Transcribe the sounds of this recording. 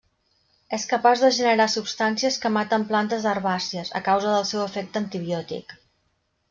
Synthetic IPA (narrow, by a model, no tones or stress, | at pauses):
eskəpazðəʒənəɾasupst̪ansiəskəmat̪əmplant̪əzðərβasiəzə̰kawzəðəlˠsɛwəfɛk̚t̪ənt̪iβiɔt̪ḭk